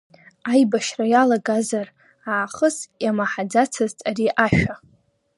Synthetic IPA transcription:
ajbaʃrajalaɡazar | aːχəsjamaħad͡zat͡sʰazt͡sʼaɾiʔaʃᶣa

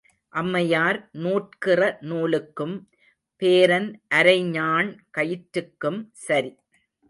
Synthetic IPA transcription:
ʔɐmːɐjaːɾnuːʈkɪrɐnuːɭɯkːɯm | peːɾɐnʔɐɾɐɪɲaːɳkɐjɪʈɾɯkːɯmsɐɾi

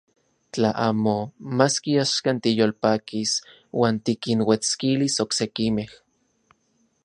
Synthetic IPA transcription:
t͡ɬaʔaːmomaskiaʃkant̪ijolpaːkis | wʔaːnt̪ikinwet͡skilisoksekimeh

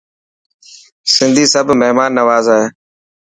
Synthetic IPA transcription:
sɪ̃nd̪ʱiːsəbʱməɦmaːnːəʋaːzaːɦeː

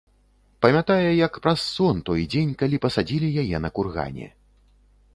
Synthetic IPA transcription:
pɐmʲat̪ajɛjɐkpɾɐsːɔnt̪ɔjd͡zʲenʲkalʲipɐsad͡zʲilʲijajɛnɐkurɣa̰nʲɛ̰

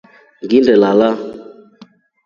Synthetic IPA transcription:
ɡindəlala

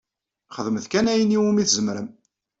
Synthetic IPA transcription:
χəðˤmðkænæjəniwumiθzəmɾəm

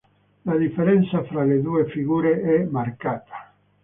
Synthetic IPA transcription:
lad̪ifːeɾɛnt̪safɾaled̪uːefiɡuːɾeɛmarkaːt̪ʰḁ

